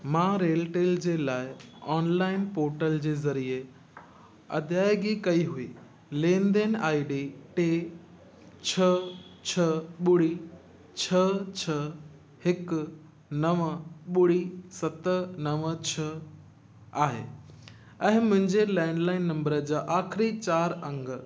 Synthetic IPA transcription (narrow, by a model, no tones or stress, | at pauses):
mãːɾeːlʈeːld͡ʑeːlaːɪɔːnlaːɪnpoːɾʈəld͡ʑeːzɐɾie | ɐ̰d̪ʱjaːɪjɡikɐiɦuiː | lẽːnd̪enaːɪɖeʈeː | t͡ɕʰɐt͡ɕʰɐɓʊɽi | t͡ɕʰɐt͡ɕʰɐ | hɪk | nɐʋɓʊɽisɐt̪ənɐʋt͡ɕʰɐ | aːɦḛː | ɛ̃ɦɪ̃mʊ̃ɦɪ̃ɲd͡ʑelɛːɳɖlaːɪnːɐ̃mbəɾəd͡ʑaːʔaːxɪɾit͡ɕaːɾɐ̃ŋɡ